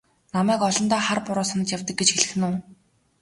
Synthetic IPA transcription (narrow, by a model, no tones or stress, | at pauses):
namæːkɔɮɞ̆nt̪aːχarpʊɾʊːsanə̆t͡ɕjawt̪ə̆k̚ɡet͡ɕxeɮɘ̆x̆nuː